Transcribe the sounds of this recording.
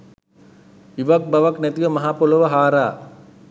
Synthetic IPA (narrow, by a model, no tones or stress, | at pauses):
iʋak̚baʋaknɛt̪iʋəmɐɦaːpoloʋɐɦaːɾaː